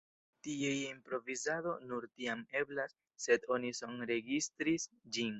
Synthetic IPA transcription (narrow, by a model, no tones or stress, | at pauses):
tiejimpɾo̞vizado̞nuɾtiame̞blasː | e̞do̞niso̞nɾe̞ɡistɾisd͡ʒin